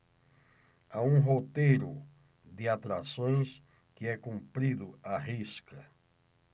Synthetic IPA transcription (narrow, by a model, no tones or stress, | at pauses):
aũɦot̪ejɾʊ | d̪ɪat̪ɾasõj̃s | kɪɛkũmpɾid̪ʊaɦiskɐ